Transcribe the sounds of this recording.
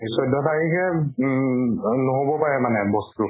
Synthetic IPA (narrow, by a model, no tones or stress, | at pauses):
sɔjdʱɔtaɹikɛ | noɦobɔpaɹɛmanɛbɔstu